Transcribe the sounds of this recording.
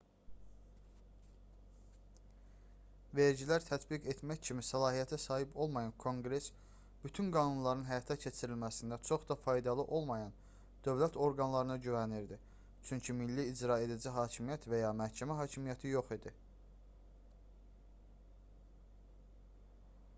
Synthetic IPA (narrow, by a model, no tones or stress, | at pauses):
ve̞ɾɟilæɾt̪ʰæt̪ʰbiɡet̪mæçcʰimisælˠɑːɦijæt̪ʰæsɑːɦibo̞lˠmɑjɑnkʰo̞ŋɡɾe̞s | b̥yt̪ʰynɡɑːnunlˠɑɾɯnɦæjɑt̪ʰæcʰe̞t͡ʃʰiɾilmæsind̪æt͡ʃʰo̞χd̪ɑfɑjd̪ɑlˠɯʔo̞lˠmɑjɑn | d̪̥ø̞vlæt̪ʰo̞ɾɡɑnlˠɑɾɯnɯɟyvæniɾd̪i | t͡ʃʰyɲcʰimilːiːd͡ʒɾɑe̞d̪id͡ʒiɦɑːcʰimijæt̪ʰvæjɑːmæɾcʰæmæɦɑːcʰimijæt̪ʰijo̞χid̪i